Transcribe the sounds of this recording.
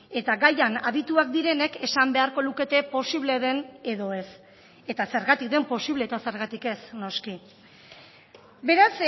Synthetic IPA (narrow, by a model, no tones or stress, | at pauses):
e̞t̪aɡajanaβit̪uak̚d̪iɾe̞ne̞ke̞sambe̞aɾko̞luke̞t̪e̞po̞siβ̞le̞ðe̞ne̞ðo̞e̞s | e̞t̪ase̞ɾɣat̪ik̚d̪e̞mpo̞siβle̞ːt̪ase̞ɾɣat̪ike̞sno̞ski | be̞ɾas